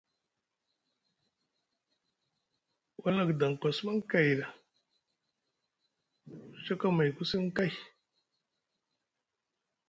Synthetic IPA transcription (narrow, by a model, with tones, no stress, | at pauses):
wʔa˦la˦˨kda˨ŋ˨kʷa˨sma˦ŋka˨jɾa˨ | t͡ʃa˦ka˦ma˨jku˦si˦ŋ˦ka˦j